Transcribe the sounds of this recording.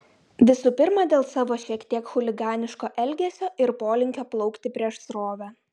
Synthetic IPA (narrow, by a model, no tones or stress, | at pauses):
ʋʲɪsuːpʲɪɾmɑd̪ʲeːlˠsɑːʋoːʃʲiɛkt̪ʲiɛkxʊlʲɪɡɑːnʲɪʃkoːʔɛlʲɡʲeːsʲoːɪɾpoːlʲɪŋʲkʲoːplˠɒʊkt̪ʲɪpʲɾʲiɛʃsɾoːʋʲæ